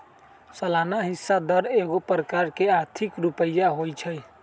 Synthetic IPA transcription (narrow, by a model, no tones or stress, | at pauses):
səlanaɦisːad̪əɾeɡopɾəkaɾkeaɾt̪ʰikɾupəjːaɦojt͡ʃʰəj